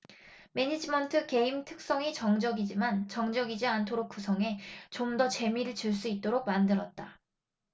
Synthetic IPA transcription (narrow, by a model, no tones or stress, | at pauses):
me̞ɲid͡ʑimʌntʰɯke̞imtʰɯk̚s͈ʌŋit͡ɕʌŋd͡ʑʌɡid͡ʑimant͡ɕʌŋd͡ʑʌɡid͡ʑiantʰoɾok̚k͈usʰʌŋe̞t͡ɕomdʌt͡ɕe̞miɾɯɭt͡ɕɯɭs̬͈uit̚t͈oɾok̚mandɯɾʌt̚t͈a